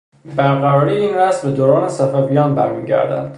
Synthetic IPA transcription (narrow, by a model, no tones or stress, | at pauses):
bæɾɣæɾɒːɾijeiːnɾæsbed̪oːɾɒːnesæfævijɒːnbæɾmiːɟæ̰ɾd̪æ̰nd̪̥